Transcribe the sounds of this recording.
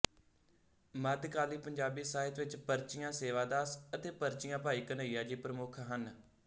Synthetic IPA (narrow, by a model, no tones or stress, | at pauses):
məd̪kaːliːpəɲd͡ʒaːbiːsaːɦɪt̪ʋɪt͡ʃpəɾt͡ʃɪjãːseːʋaːd̪aːsət̪eːpəɾt͡ʃɪjãːpaːiːkənəːijaːd͡ʒiːpɾəmʊkʰɦən